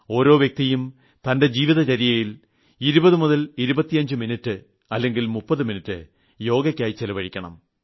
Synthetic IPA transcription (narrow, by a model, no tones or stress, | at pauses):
o̞ːɾo̞ːʋjɐk̚t̪ijum | t̪ɐnde̞d͡ʑiːʋiðɐt͡ɕɐɾijɐjil | iɾubɐðɨmuðɐliɾubɐt̪ːijɐɲd͡ʑɨminɐtːɨ | ɐlːe̞ŋɡilmupːɐðɨminitːɨ | jo̞ːɡɐkʲːaːjit͡ɕelɐʋɐɻikʲːɐɳɐ̰m